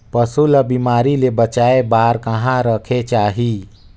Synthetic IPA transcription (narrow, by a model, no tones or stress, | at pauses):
pəsuləbimaːɾilebət͡ʃaːebaːɾkəɦãɾəkʰet͡ʃaːɦi